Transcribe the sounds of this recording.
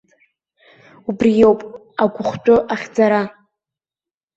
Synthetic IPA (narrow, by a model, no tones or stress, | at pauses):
ubrijowpʼ | aɡʷʊχʷtʷʼʊʔaχʲd͡zaɾa